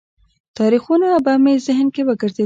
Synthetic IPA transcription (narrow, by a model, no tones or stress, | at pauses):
t̪ɑɾixunaːbamezɪɦnkewəɡəɾze